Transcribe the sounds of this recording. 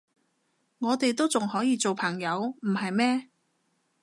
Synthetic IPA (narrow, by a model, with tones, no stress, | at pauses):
ŋɔː˨˧t̪e˨jt̪o˥wt͡sʊ˨ŋhɔː˨˥jiː˨˧t͡so˨wpʰɐ˨˩ŋjɐ˨˧wm̩˨˩hɐ˨jmɛː˥